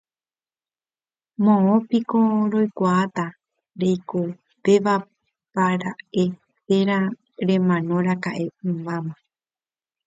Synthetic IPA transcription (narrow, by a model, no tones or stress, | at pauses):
mõõpikoɾo̞jkʷaːt̪a | ɾejko | pe̞ʋa | paɾae̞ | teɾã | ɾẽ̞mãnõ̞ɾakaʔe̞ɨ̃bamã